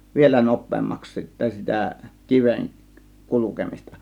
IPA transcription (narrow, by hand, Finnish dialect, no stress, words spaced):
ʋielæ nopˑeːmːɑks sitːæ sitæ kiʋen kulukemistɑ